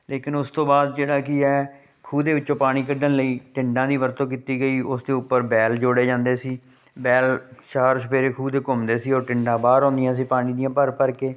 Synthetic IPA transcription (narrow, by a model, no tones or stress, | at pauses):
leːkɪnʊst̪õːbaːd̪d͡ʒeːɽaːkɪɛː | kʰuːd̪eːbɪt͡ʃːt͡ʃõːpaːɽ̃iːkəɖənləiːʈɪɳɖãːd̪iːʋəɾt̪õːkiːt̪iːɡəiːʔʊsd̪eːʊpːəɾbɛːld͡ʒoːɽeːd͡ʒãːnd̪eːsiː | bɛːlʃaːɾʃəpʰeːɾeːkʰuːd̪eːkʊmd̪eːsiːoːɾʈɪɳɖãːbaːɾɔ̃ːnd̪ɪjãːsiːpaːɽ̃iːd̪ijãːpəɾpəɾkeː